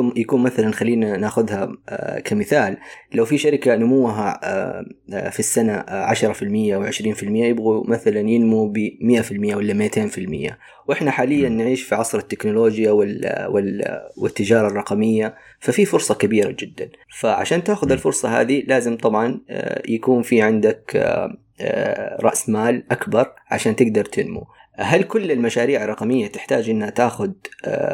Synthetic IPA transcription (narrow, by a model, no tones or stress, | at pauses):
jakuːnmaθalanxalːiːnanaːxʊðhakʰamɪθaːllawfiʃaɾɪkanʊmuwːɦa̰ | fisːanaʕaʃɾˤɑfɪlmɪjːawʕɪʃɾiːnfɪlmɪjːajɪbɣumaθalanjɪnmubimɪʔafɪlmɪjːawɪlːamɪʕt̪ʰeːnfɪlmɪ̰jːa̰ | wʔɪħnaħaːlɪjːanːʕiːʃfiʕɑsˤɾˤɑt̪ːɪknʊloːd͡ʒjawɪwɪwɪ̰t̪ːɪd͡ʒɑːɾˤɑrˤɑqɑmɪjːa | fafifʊɾsˤɑkabiːɾa̰d͡ʒɪd̪ːanfaʕa̰ʃaːnt̪aːxʊðɪlfʊɾsˤɑha̰ːðilaːzɪmt̪ˤɑbʕɑn̰jakuːnfiʕɪnd̪ak | ɾˤɑ̰ʔsmaːlʔakbɑɾˤʕa̰ʃaːnt̪ɪɡd̪ɑɾˤt̪ʰɪnmṵ | ɦalkʊlːɪlmaʃaːɾiːʕɑrˤːɑqɑmɪjːat̪ɪħt̪aːd͡ʒʔɪnːhat̪aːxʊð̰